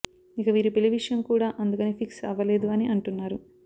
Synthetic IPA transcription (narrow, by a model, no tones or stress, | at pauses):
ikɐʋiːɾupiliʋiʂɐjɐmkuːɽaːʔɐnd̪ukɐneːpʰiksɐ̰ʋɐleːd̪uɐniʔɐɳʈunːaːɾu